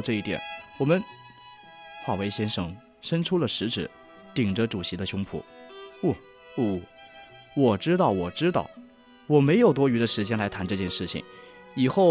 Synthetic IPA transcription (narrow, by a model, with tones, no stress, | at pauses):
ʈ͡ʂɤ˥˧i˥˩t̪jɛ̰˨˩˦nwɔ˨˩mə˧˦n | xwa˥˩we˥ɪɕjɛ˥nʂɤ˨˩ŋ | ʂə˥nʈ͡ʂʰu˥lə˨ʂɻ̩˧˥ʈ͡ʂɻ̩˨˩˦ | t̪i˨˩ŋʈ͡ʂə˦ʈ͡ʂu˨˩ɕi˧˥d̪ə˧ɕʊ˥ŋpʰṵ˨˩˦u˥˩ | u˥˩ | wɔ˨˩ʈ͡ʂɻ̩˥t̪ɑ˥˩ʊwɔ˨˩ʈ͡ʂɻ̩˥t̪ɑ˥˩ʊ | wɔ˨˩me˧˥ɪjo˨˩ʊt̪̬wɔ˥y˧˥d̪ə˧ʂɻ̩˧˥t͡ɕjɛ˥nla˧˥ɪt̪ʰa˧˥nʈ͡ʂɤ˥˧t͡ɕjɛ˥˧nʂɻ̩˥˩t͡ɕʰḭ˨˩ŋ | i˨˩xo˥˩ʊ